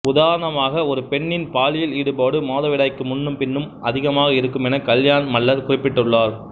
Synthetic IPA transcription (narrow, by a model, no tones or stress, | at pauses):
ʊðaːɾɐnɐmaːɣɐɔɾɯpɛɳːɪnpaːlɪjɪliːɽɯpaːɽɯmoːðɐʋɪɽɐɪkːɯmʊnːɯmpɪnːɯmʔɐðɪɣɐmaːɣɐɪɾɯkːɯmɛnɐkɐljaːnmɐɭːɐɾkʊrɪpːɪʈːɯɭːaːɾ